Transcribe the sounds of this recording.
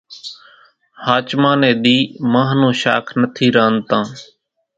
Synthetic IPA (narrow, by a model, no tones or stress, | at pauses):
haːt͡ʃmãːnẽːɗ̪iːmãːɦnõːʃa̰ːkʰnət̪ʰiːɾəːnt̪ãː